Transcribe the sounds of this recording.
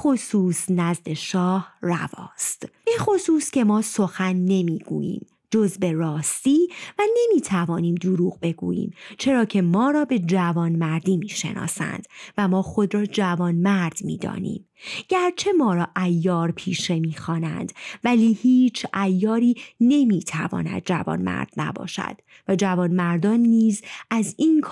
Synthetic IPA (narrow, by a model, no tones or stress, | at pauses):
xosuːsnæzd̪e̞ʃɒːhræ̰vɒ̰ːst̪bexo̞suːsce̞mɒːso̞xænːe̞miːɡ̥ṵːjḭːm | d͡ʒo̞zbe̞rɒːst̪iːvæne̞miːt̪ʰævɒːniːmd̪oɾuːɣbe̞ɡṵːjḭːmt͡ʃʰe̞ɾɒːcʰe̞mɒːɾɒːbe̞d͡ʒævɒːnmæɾd̪iːmiːʃe̞̰nʔɒ̰ːsæ̰nd̪̥væmɒːxo̞d̪ɾɒːd͡ʒævɒːnmæɾd̪̥mḭːd̪ɒ̰ːnḭːm | ɟ̥æɾt͡ʃʰe̞mɒːɾɒːʔæjːɒːɾpʰiːʃe̞miːxɒːnænd̪̥væliːhiːt͡ʃʰæjːɒːɾiːne̞miːt̪ʰævɒ̰ːnæ̰d̪̥̚d͡ʒævɒ̰ːnmæ̰ɾd̪̥næ̰bɒ̰ːʃæ̰d̪̥ | væd͡ʒævɒːnmæɾd̪ɒːnːiːzʔæziːnkʰ